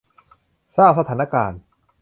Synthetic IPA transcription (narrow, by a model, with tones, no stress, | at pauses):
saː˥˩p̚sa˧t̪ʰaː˩˦na˦˥˧kaː˧n